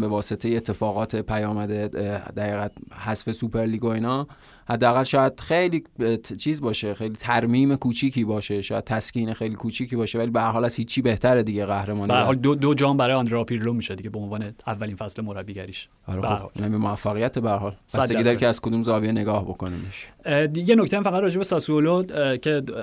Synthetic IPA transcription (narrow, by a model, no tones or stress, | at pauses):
be̞vɒːse̞t̪ʰejeːt̪ʰːe̞fɒːɣɒːt̪ʰepʰæjɒːmæd̪ed̪æɣiːɣæt̪̚hæsfesupʰe̞ɾliːɡo̞iːnɒː | hæd̪ːeæɣælʃɒːjæd̪̥̚xejliːt͡ʃʰiːzbɒːʃexejliːt̪ʰæɾmiːme̞kʰuːt͡ʃʰiːcʰiːbɒːʃeʃɒːjæd̪̥̚t̪ʰæsciːnexejlikʰuːt͡ʃʰiːciːbɒːʃevælibehæɾɦɒːlæzhiːt͡ʃʰːiːbeht̪ʰæɾed̪iːɟeɣæhɾemɒːnbæɾhɒːld̪od̪od͡ʒɒːmbæɾɒːjɒnd̪ɾeɒpʰiɾlomiːʃed̪iɟebeonvɒːneævːælinfæslemoɾæbːiːɟæɾiʃʔæ̰ɾexobhnæmimoæfːæɣijæt̪ʰebeæɾhɒːlæseid̪æɾkʰeæzkʰod̪uːmzɒːvijene̞ɡɒːhbo̞konimeʃjenocʰt̪eamfæad̪ɾɒːd͡ʒe̞besɒsuolocʰe